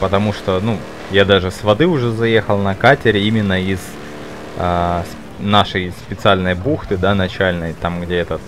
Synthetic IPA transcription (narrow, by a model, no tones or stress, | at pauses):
pət̪ɐmuʂt̪onu | jad̪aʐɨsvɐd̪ɨʊʐɛzɐje̞xəlˠnɐkatʲɪɾʲɪimʲɪnːəiz | əs | naʂəjspʲɪt̪sɨalʲnəjbuxt̪ɨd̪anɐt͡ɕælʲnəjt̪amɡdʲeɛt̪ə